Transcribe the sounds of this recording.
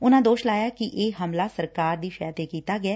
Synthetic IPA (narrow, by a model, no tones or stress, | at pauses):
ʊnãːd̪oːʃlaːjaːkɪʔeːɦəmlaːsəɾkaːɾd̪iːʃəjaːt̪eːkiːt̪aːɡɪɛː